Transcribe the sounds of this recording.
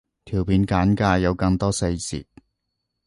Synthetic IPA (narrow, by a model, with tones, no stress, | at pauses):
t̪ʰiː˨˩wpʰiː˨˧nkaː˨˥nkaː˧jɐ˨˧wkɐ˧ŋt̪ɔː˥se˧jt͡sḭː˨˩t̚